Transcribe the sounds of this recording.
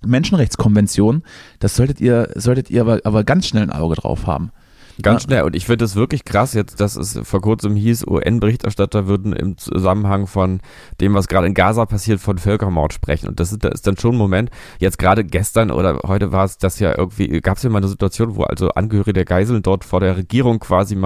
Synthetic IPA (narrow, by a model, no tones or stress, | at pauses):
mɛnʃn̩ʁɛçt͡skʰɔnvɛnt͡sjoːnd̥asz̥ɔltətʔiːɐzɔltətiːɐaːɐʔaːbɐɡansʃnɛlnʔa̰ʊɡədʁa̰ʊfha̰ːbm̩ | ɡ̥ansʃnɛlʔʊ̰ntɪçfɪndəas̬v̥ɪɐklɪçkʁ̥asjɛt͡std̥asɛ̰sfoːɐkʰʊɐt͡səmhiːsʔṵːʔɛ̰nbəʁ̞ɪçtɛɐʃtatɐvʏɐdn̩ʔɪ̰mt͡sṵzamənɦaŋfɔn | d̥eːmvasɡ̥ʁaːɾəɪnɡaːzapʰasiːɐtfɔnfœlkɐmɔɐtʃpʁ̥ɛ̰çn̩ʔʊ̰nt̚d̥as̬zɪtd̥a̰nʔɪ̰std̥anʃoːnmomɛntjɛt͡stɡ̥ʁaːɾəɡɛstɐnʔo̰ːɾɐ̰hɔʏtəvaːɐɛsd̥asja̰ːʔɪ̰ɐɡŋ̩tv̥ḭːɡ̥aːpsjaːmaːlnəzituat͡sjoːnvo̰ːʔa̰lzo̰ʔa̰nɡəhøːʁ̞ɪɡədeɐɡaɪzl̩ndɔɐtfoːɐdeːɐʁeɡiːʁ̞ʊŋkv̥aːzim